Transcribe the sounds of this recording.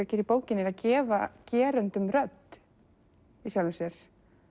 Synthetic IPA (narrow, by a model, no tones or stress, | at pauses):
acɪːɾipoːwcɪnːɪɛɾaðcɛːvacɛːɾœnt̪ʏmɾœt̪ | isjawlvʏsjɛɾ̥